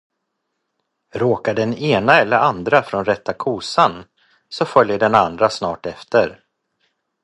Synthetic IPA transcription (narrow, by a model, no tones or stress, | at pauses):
ɾoːkaɖɛneːnaɛlːəɾand̪ɾafɾɔnɾɛt̪ʰːakʰuːsan | sɔfœljəɖɛnand̪ɾasnɑːʈɛft̪əɾ